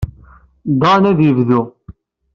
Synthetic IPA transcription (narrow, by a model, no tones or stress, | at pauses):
d̪ˤɑnæðjəvðu